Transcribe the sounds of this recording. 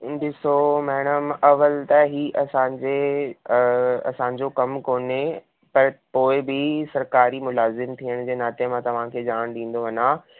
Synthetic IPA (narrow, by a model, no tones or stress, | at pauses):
dɪsomɛːɽ̃əmɐʋəlt̪ɐɦiːʔɐsãːd͡ʑe | ɐ̰sãːɲd͡ʑokɐmkoːne | pɐɾpoːɪbɪsɐɾkaːɾimʊlaːzɪmt̪ʰiəɽ̃d͡ʑeːnaːt̪iəmãt̪ɐʋ̤ãkʰeːd͡ʑaːɽ̃ɗĩːn̆d̪oʋɐnãː